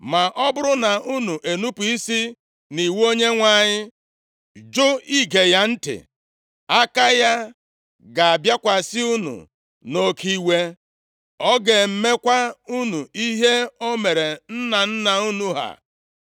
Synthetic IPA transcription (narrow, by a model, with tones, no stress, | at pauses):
ma˨ʔɔ˦bʊ˦ɾʊ˦na˨u˦nu˨ʔe˨nu˦pu˨i˦si˦ | ni˨wo˦ɲe˦ŋʷa˨ɲɪ˦ | d͡ʒʊ˦i˦ɡe˨ja˦n̩˦tɪ̰˨ | a˦ka˦ja˦ | ɡa˨a˨bja˦kʷa˨sɪ˦u˦nṵ˨ | no˦kʰi˦we˦ | ɔ˦ɡe˨m̩˦me˦kʷa˦u˦nu˨i˦ɦe˦o˦me˨ɾe˨n̩˦na˨n̩˦na˨u˦nu˦ɦa̰˨